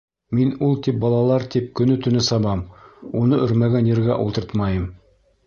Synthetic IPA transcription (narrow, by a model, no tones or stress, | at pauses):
minulˠt̪ip̚bɑlˠɑlˠɑɾt̪ip̚kɵ̆nɵt̪ɵ̆nɘsɑβɑmunɤʔɵ̆ɾmæɡænjɘ̆ɾɡæʔulˠt̪ɤɾt̪mɑjɤm